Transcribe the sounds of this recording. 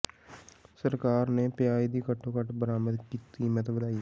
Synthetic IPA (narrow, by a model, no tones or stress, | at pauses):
səɾkaːɾneːpjaːid̪iːkəʈʰːoːkəʈʰbəɾaːməd̪kiːt̪iːmət̪ʰbəd̪aːiː